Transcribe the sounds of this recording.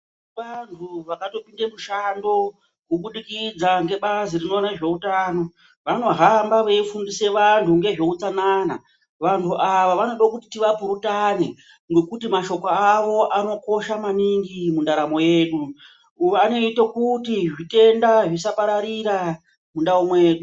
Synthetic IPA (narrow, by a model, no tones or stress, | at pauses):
ʋantʰuʋakato̞pindemuʃando̞ | kuɓuɗikid͡zaŋɡe̞ɓazirino̞naʐe̞utaːno̞ | ʋano̞ɦambaʋeifundise̞ʋantʰuŋɡe̞ʐe̞ut͡sanana | ʋantʰuʔaʋaʋano̞ɗakuti̥tiʋapuɾutane̞ | ŋɡo̞kutimaʃo̞koaʋo̞ʔano̞ko̞ʃamaniŋɡimundaɾamo̞jeːɗu | ano̞itokutiʐite̞ndaʐisapaɾaɾiɾa | mundaumwe̞ːɗu